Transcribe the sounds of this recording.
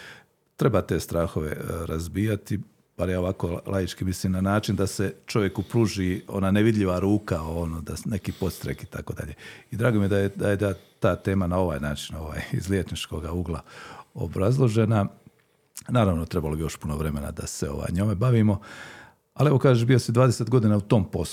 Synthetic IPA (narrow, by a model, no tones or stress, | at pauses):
t̪ɾe̞bat̪e̞ːst̪ɾaːxoʋḛɾazbiːjat̪i | b̥aɾjaːoʋakoːlʔajit͡ʃkimisliːmnanaːt͡ʃind̪aset͡ʃo̞ʋje̞kupɾuːʒiːo̞̰naːneʋid̪ʎʲiʋaɾuːkaonoːd̪ane̞kiːpo̞t̪st̪ɾḛkit̪a̰ko̞ːd̪a̰ʎeːid̪ɾaːɡomijed̪ajed̪ajed̪at̪aːt̪e̞ːmanao̞ʋaːjnaːt͡ʃino̞ʋa̰ːjḭzljet͡ʃnit͡ʃko̞ɡauɡlˠa̰o̞̰bɾazlˠo̞ʒena | naːɾaʋnot̪ɾebalobijo̞ʃpunoʋɾeme̞na̰d̪a̰seo̞̰ʋa̰jɲomebaʋiːmo̞ | alie̞ʋo̞kaːʒeʃbijosid̪ʋaːd̪eset̪ɡo̞d̪iːnaut̪o̞ːmpo̞s